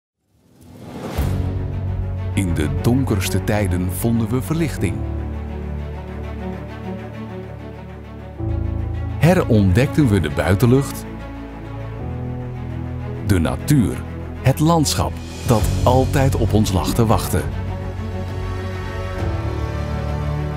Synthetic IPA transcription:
ɪndədɔŋkərstətɛjdənv̥ɔndənʋəvəɹlɪχtɪŋ | hɛrɔndɛk̚tənʋədəbœɥtəlɵχt | dəna̰tyːr | hətlɑntsχɑ̰p | d̥ɑtɑlˠtɛjtɔpɔnslɑ̰χtəʋɑχtə̰

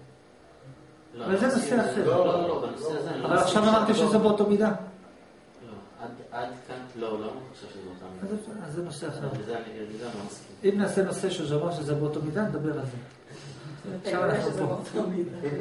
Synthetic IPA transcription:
valzeno̞seaχe̞ʁllobanoseazavalaχʃavamaʁt̪iʃezebeot̪omid̪a | lo | ad̪ad̪kanlolamχoʃevʃezeot̪amiazazːenoseaχeʁzeniimid̪amakiimnaːse̞no̞se̞ʃuzeomaʁʃ̬ezebeot̪omid̪aned̪abe̞ʁalze | ʃavanaχnupo

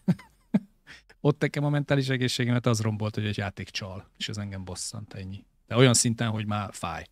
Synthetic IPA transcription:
o̞t̪nɛkɛmɒmɛnt̪aːliʃɛɡeːʃːeːɡɛmɛt̪ɒzro̞mbo̞lt̪hoɟɛɟjaːt̪eːkt͡ʃɒleːʃɛzɛŋɡɛmbo̞sːɒ̰nt̪ʰɛɲːi | d̪̥ɛo̞jɒnsint̪ɛnɦo̞ɟmaːfa̰ːj

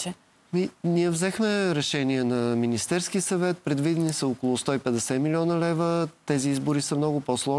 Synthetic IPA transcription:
miniɛvzɛxmɛɾɛʃɛniɛnɐminist̪ɛɾsk̟iəsɐvɛt̪̚pɾɛd̪vid̪ɛnisəokolˠʊst̪ɔipɛd̪ɛsɛmilʲiɔnəlɛvət̪ɛziizbʊɾisəmn̪ɔɡʊpɔslˠɔ

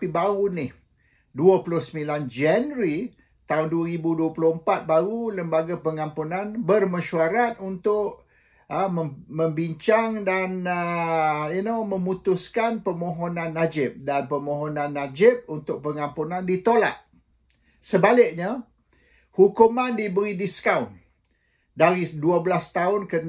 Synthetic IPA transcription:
pibaʊnɪh | duəplʊhsəmiland͡ʒɛnɾi | t̪aʊnduəɾibuduəplʊhəmpat̪̚baɾuləmbaɡapəŋampunanbərməʃuaɾat̪̚unt̪ʊʔ | əməməmbiɲt͡ʃaŋdanə | inomə̃mut̪ʊskanpəmõɦonãnːad͡ʒɪp̚danpəmõɦɔnãnːad͡ʒɪp̚unt̪ʊk̚pəŋampunãndit̪ola̰t̪̚ | səbalɪk̚ɲa | hukumandibəɾidiskawn | daɾiduabəlast̪aʊnkən

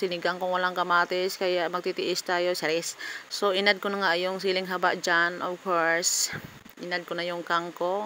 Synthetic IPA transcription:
sɪnɪɡaŋkʊŋwɐlaŋkɐmaːt̪ɪskɐjaʔmɐɡ̚t̪it̪ɪʔɪst̪aːjo̞saɾɛssoʔɪnad̪̚konɐŋaʔjʊŋs̬iːlɪŋɦabaʔd͡ʒanʔovkoɹs | ʔɪnad̪̚konɐjʊŋkaŋko

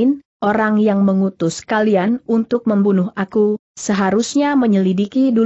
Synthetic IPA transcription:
n | ʔoɾaŋjaŋməŋut̪ʊskalianunt̪ʊk̚məmbunʊɦakusəɦaɾusɲaməɲəlidikidu

